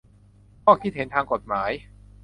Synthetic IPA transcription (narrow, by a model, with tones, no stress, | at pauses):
kʰɔː˥˩kʰi˥˩t̪̚he˩˦nt̪ʰaː˧ŋko˨˩t̪̚maː˩˦j